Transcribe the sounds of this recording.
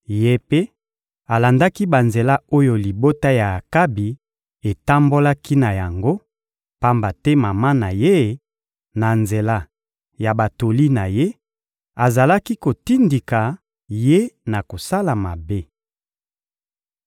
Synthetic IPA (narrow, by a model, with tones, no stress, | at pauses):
je˦pe˦ | a˨la˨nda˦ki˦ba˨nze˨la˦o˦jo˨li˨bo˦ta˦ja˨ka˦bi˨ | e˨ta˦mbo˦la˦ki˦na˨ja˨ŋɡo˦ | pa˦mba˨tɛ˦ma˨ma˦na˨je˦ | na˨nze˨la˦ | ja˨ba˨to˨li˦na˨je˦ | a˨za˨la˦ki˦ko˨ti˦ndi˨ka˨ | je˦na˨ko˨sa˦la˨ma˨be˦